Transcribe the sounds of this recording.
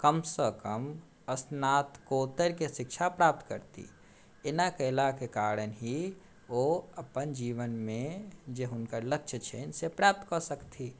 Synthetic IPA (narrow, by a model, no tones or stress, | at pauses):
kəmsəkəm | əsnat̪kot̪əɾkesik̚t͡ʃʰapɾap̚t̪kə̰ɾt̪ḭ | enakəɪlakekaɾənɦi | oəpənd͡ʒiʋənmẽd͡ʒeɦʊnkəɾləkt͡ʃʰət͡ʃʰḛnsepɾap̚t̪kəsəkt̪ʰi